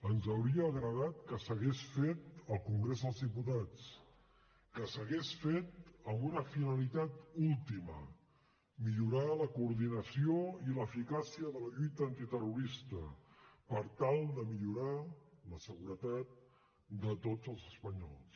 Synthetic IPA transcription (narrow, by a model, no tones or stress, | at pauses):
ənzəwɾiəːɣɾəðat̪kəsəɣesfet̪əlˠkuŋɡɾezðəlˠzðiput̪at͡s | kəsəɣesfet̪̚əmbunəfinəlit̪at̪ulˠt̪imə̰ | miʎuɾaləkuːɾðinəsioiləfikasiəðələʎujt̪əːnt̪it̪əruɾist̪ə̰pəɾt̪alˠd̪əmiʎuɾaləsəɣuɾət̪at̪̚ | d̪ət̪od͡zəlˠzəspəɲɔ̰lˠs